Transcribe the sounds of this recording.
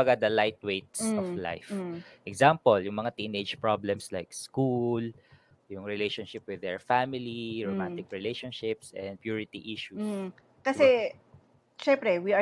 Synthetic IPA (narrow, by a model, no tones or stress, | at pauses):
ɐɡad̪ɐlajt̪̚wejt̪̚sʔɔvla̰jfʔɛkzampoljʊŋmɐŋat̪inʔed͡ʒpɹoblɛmslajkskul | jʊŋɹɛlejʃonʃɪp̚wɪd̪ɛɹfamɪliɹomant̪ɪkɹɪlejʃonʃɪpsʔɛ̃nd̪̚pjuːɹɪt̪iʔiʃu | kɐsɛ | ʃɛmpɾɛwiɐ